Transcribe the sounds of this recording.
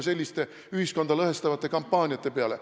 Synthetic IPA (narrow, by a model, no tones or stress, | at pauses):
se̞lʲːist̪e̞ | yhisko̞nd̪̥ɑlɤhest̪ɑvɑt̪ːˑe̞kɑmpːɑːnʲiɑt̪ːe̞peɑle̞̰